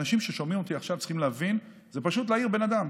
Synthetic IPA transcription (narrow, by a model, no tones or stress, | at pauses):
aʃimʃe̞ʃo̞mimot̪iaχʃavt͡si̥χimleavin | zepaʃut̪̬leaiʁbe̞nad̪am